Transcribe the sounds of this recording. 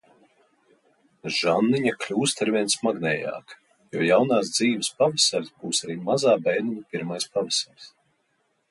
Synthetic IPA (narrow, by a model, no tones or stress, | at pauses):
ʒanːiɲaklʲuːst̪aɾvʲiɛnsmaɡnɛːja̰ːk | jɔɔjawnaːsd̪ziːvəspavasalʲzbuːsaɾiːmazaːbɛjniɲpʲiɾmajspavɛsalʲs